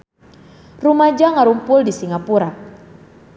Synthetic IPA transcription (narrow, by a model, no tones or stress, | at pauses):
rumad͡ʒaŋaɾumpʊldisiŋapuɾak̚